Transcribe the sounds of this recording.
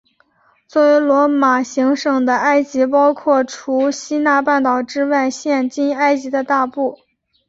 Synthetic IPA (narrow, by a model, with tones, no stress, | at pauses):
t͡swɔ˥˩we˧˥ɪlwɔ˧˥ma˨˩ɕi˧˥ŋʂɤ˨˩ŋd̪ə˨a˥ɪt͡ɕi˧˥pɑ˥ʊkʰwɔ˥˩ʈ͡ʂʰu˧˥ɕi˥na˥˧pa˥˩nt̪ɑ˨˩ʊʈ͡ʂɻ̩˥wa˥˩˧ɪɕjɛ˥˩nt͡ɕi˥na˥ɪt͡ɕi˧˥d̪ə˧t̪a˥˧pu˥˩